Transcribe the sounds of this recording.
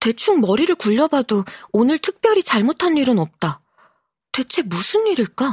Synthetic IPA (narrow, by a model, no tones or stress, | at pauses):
te̞t͡ɕʰuŋmʌɾiɾɯɭkuʎːʌbadoonɯɭtʰɯk̚p͈jʌɾit͡ɕaɭmotʰanːiɾɯnʌp̚t͈a | twe̞t͡ɕʰe̞musʰɯnːiɾiɭk͈a